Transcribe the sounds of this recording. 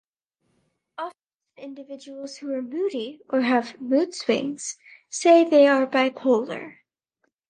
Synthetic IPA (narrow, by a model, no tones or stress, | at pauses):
ɑf | ɪ̃ndɨvɪd͡ʒəwl̩ˠz̥huə˞mʉɾiʔə˞ɨvmʉdswɪ̰̃ŋz̥seɪðeɪə˞baɪpʰoʊlˠə̰˞